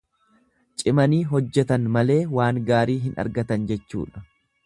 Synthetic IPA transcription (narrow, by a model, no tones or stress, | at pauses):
t͡ʃʼɪmɐniːɦɔd͡ʒːɛt̪ɐnmɐle̞ːwaːŋɡaːɾiːɦɪnɐ̰ɾɡɐt̪ɐnd͡ʒɛt͡ʃːṵːᶑɐ̥